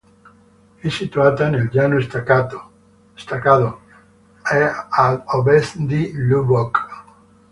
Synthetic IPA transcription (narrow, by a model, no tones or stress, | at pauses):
esit̪uat̪anelʎanoest̪akat̪o | est̪akaðo | ealoβeθd̪iluβok